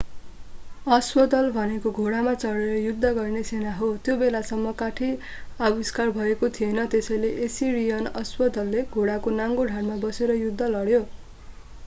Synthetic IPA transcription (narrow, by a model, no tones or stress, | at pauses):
ʌswʌd̪ʌlbʱʌnekoɡʱoɽamat͡sʌɽeɾʌjud̪ʱːʌɡʌrnesenaɦot̪jobelasʌmːʌkaʈʰi | awiskarbʱʌekot̪ʰijenʌt̪esʌjleʔesirijʌnʌswʌd̪ʌlːeɡʱoɽakonaŋɡoɖʱarmabʌseɾʌjud̪ʱːʌlʌɽjo